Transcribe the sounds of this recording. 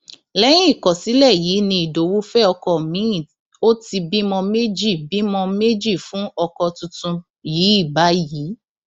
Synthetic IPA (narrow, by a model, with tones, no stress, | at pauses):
lɛ˦j̃ĩ˦˨kɔ˨si˨˦lɛ˦˨jiː˨˦nĩ˧i˨do˨˦wu˦fɛ˦ɔ˧kɔ˨mĩ˨˦˨ | o˦ti˧bi˦mɔ̃˧me˦d͡ʒi˦˨bi˦mɔ̃˧me˦d͡ʒi˦˨fũ˨˦ɔ˧kɔ˧tũ˧tũ˧ | jiː˨˦i˦˨ba˨˦ji˨˦